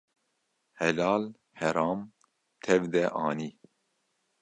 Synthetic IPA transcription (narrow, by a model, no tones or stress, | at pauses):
hɛlɑːl | hɛɾɑːm | t̪ʰɛvd̪ɛʔɑːniː